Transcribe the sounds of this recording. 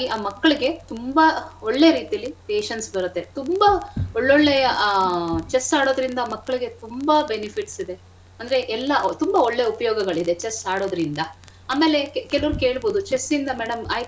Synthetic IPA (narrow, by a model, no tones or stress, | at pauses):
iʔaːmɐkːɐɭiɡe̞t̪umbɐoɭːe̞ɾiːt̪ijɐlːipeːʃɐnsbɐɾut̪ːe̞t̪umbɐoɭːoɭːejɐ | t͡ʃesaːɽo̞ːd̪ɾind̪ɐmɐkːɐɭiɡe̞t̪umbɐbenipʰiʈsid̪e̞ | ɐnd̪ɐɾe̞ʔɛlːɐʔt̪umbɐoɭːeupɐjoːɡɐɡɐɭid̪e̞t͡ʃesaːɽo̞ːd̪ɐɾind̪ɐ | aːmeːle̞kɛlɐʋɐɾuke̞ːɭbo̞ːd̪ut͡ʃesind̪ɐmeːɽɐmaːj